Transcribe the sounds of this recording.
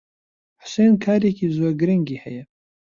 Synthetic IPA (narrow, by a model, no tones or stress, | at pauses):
ħʊ̥seːnkʰaːɾekiːzoːɾɡɨɾɪŋɡiːhɛ̰jɛ